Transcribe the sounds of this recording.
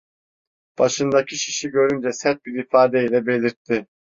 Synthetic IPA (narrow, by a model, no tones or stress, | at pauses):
b̥aʃɯnd̪acʰiʃi̥ʃiɟø̞ɾynd͡ʒɛsɛt̪̚biɾifaːd̪ɛilʲɛbe̞lʲiɾt̪ʰːɪ